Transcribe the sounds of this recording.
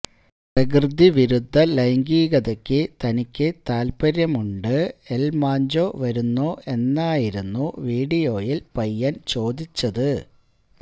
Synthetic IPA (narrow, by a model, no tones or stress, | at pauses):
prɐɡrɨd̪ʱːiʋiɾud̪ʱːɐlɐjŋɡiːɡɐðɐkʲːɨt̪ɐnikʲːɨt̪aːlpɐɾjɐmuɳɖɨe̞lmaːɲd͡ʑo̞ːʋɐɾunːoːʔe̞nːaːjiɾunːuʋiːɽijo̞ːjilpɐjːant͡ɕo̞ːd̪it͡ɕːɐðɨ